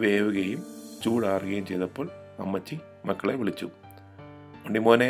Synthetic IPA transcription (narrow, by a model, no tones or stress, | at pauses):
ʋeːʋuɣɐjumt͡ɕuːɽaːrɨɣɐjumt͡ɕejðɐpːo̞ːɭ | ɐ̰mːɐt͡ɕːi | mɐkːɐɭeʋiɭit͡ɕːṵ | mɐɳɖimoːne